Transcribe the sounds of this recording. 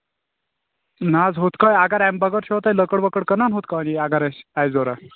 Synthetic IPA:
nad͡zɦot̪kajaɡaɾambaɡəɾɕɔɦt̪ajləkəɽbəkəɽkənanɦot̪kaaniaɡaɾasajd͡zoɾa

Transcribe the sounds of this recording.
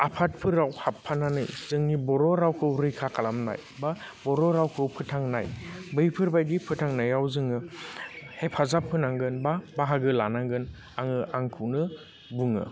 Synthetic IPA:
apʰat̚pʰɯɾawhapʰːananɯ̰jzɯŋnibɔɾɔɾawkʰɯɾɯjkʰakʰalamna̰j | ba | bɔɾɔɾawkʰɯpʰɯtʰaŋna̰jbɯjpʰɯɾbajdipʰɯtʰaŋnajawzɯŋɯ | hepʰazapʰːɯnaŋɡɯnbabaɦaɡɯlanaŋɡɯn | aŋɯʔaŋkʰɯwnɯ | buŋɯ̰

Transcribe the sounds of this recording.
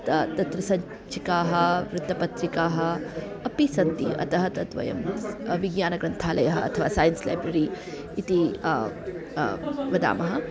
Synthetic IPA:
t̪ɐt̪ɐt̪ɾɐsɐɲ | t͡ʃʰikaːɦɐʋɾut̪ːɐpɐt̪ɾikaːɦɐ | ɐpisɐnt̪ḭɐ̰t̪ɐɦɐt̪ɐt̪ʋɐ̰jɐ̰mʋiɡɲaːnɐɡɾɐnt̪ʰaːlɐjɐɦɐɐt̪ʰɐʋa̰ːsaːjɐnsla̰ːjbɾɐɾi | it̪i | ʋɐd̪a̰ːmɐɦɐ

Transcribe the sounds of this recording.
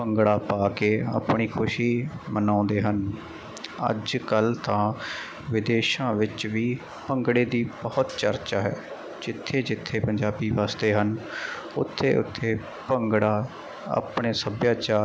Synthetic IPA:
pəŋɡɽaːpaːkeːa̰ːpɳiːkʰʊʃiːmənãːnd̪eːɦən | ə̰d͡ʒkəlt̪ãː | ʋɪd̪eːʃãːʋɪt͡ʃʋiː | pəŋɡɽeːd̪iːbɔːt̪t͡ʃəɾt͡ʃaːɦɛː | d͡ʒɪt̪ʰːeːd͡ʒɪt̪ʰːeːpəɲd͡ʒaːbiːʋaːst̪eːɦən | ʊt̪ʰːḛːʊ̰t̪ʰːeː | pəŋɡɽaː | a̰ːpɳeːsəbjaːt͡ʃaː

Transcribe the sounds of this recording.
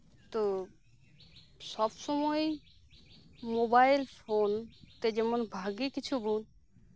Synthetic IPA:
t̪o | sɔbsɔmoj | mobaɪlpʰoːnt̪ed͡ʒemɔnbʱaːɡikit͡ʃʰubuːn

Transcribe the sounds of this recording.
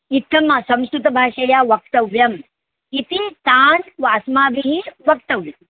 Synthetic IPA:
it̪ʰːɐmɐsɐ̃mskɾut̪ɐbʱaːʂɐjaʋɐkt̪ɐʋjɐm | it̪it̪aːnʋaːsmaːbʱiɦiʋɐk̚t̪ɐʋjɐm

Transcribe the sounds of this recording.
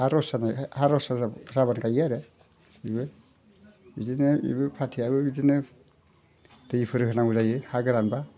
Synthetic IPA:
haɾɔsanahaɾɔsaazaβankʰajaɾe | ibɯ | idinɯḭbɯpʰatʰiabɯbidinɯ | dɯjipʰɯɾɯɦɯnauzajɯhaɡɯɾanba

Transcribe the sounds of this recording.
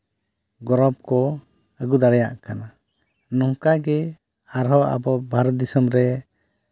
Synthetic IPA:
ɡɔɾɔb̚kɔ | əɡud̪aɽɛja̰ʔkana | nɔŋkaɡɛ | aɾɦɔʔa̰bɔbʱaɾɔt̪̚d̪isɔmɾɛ

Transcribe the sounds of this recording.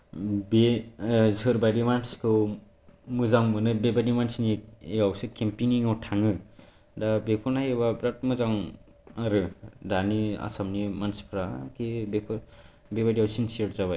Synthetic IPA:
bezɯɾbaɾimanskʰɯ | mɯzaŋbɯnɯbebadimansnieawsɯkempiniŋawʈʰaŋɯ | dabepʰunajeβabɾat̚mɯzaŋ | aɾɯdania̰samnimanspʰɾakibepʰ | bebadiawsinsieɽzaβaj

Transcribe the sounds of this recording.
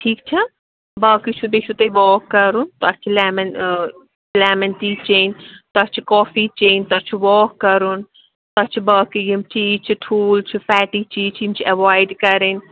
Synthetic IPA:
ʈʰiːkt͡ʃʰɐ | bɐːkit͡ʃʰud̪et͡ʃʰut̪eʋɔːkːɐɾunt̪oɐt͡ʃʰilɛːmɐn | lɛːmɐnt̪iːt͡ʃeːnt̪ɐt͡ʃʰikɔːfit͡ʃeːnt̪ɐt͡ʃʰuʋɔːkːɐɾun | t̪ɐt͡ʃʰibɐːkijimt͡ʃʰiːt͡ʃʰiʈʰuːlt͡ʃʰifɛːʈiːt͡ʃiːt͡ʃʰimt͡ʃʰiɐʋaːɪɖkɐɾen

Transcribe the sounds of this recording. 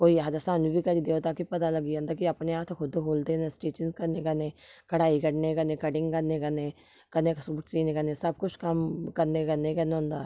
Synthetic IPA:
koːiːaːd̪asãːnũbʱiːkəɾiːd̪eoːt̪aːkipət̪aːləɡiːõːnd̪aːkiəpneːaːt̪ʰkʰʊd̪ɦoːld̪eːnɛ̃ːsʈeːt͡ʃənskəɾneːkəneːkəɽaːikəɽneːkəneːkəɖɪ̃ŋɡkəɾneːkəneː | kəneːksuːʈsiːneːkəɾneːsəb̚kʊt͡ʃʰkəmkəɾneːkəɾneːkəneɦʊ̃ːnd̪a̰ː

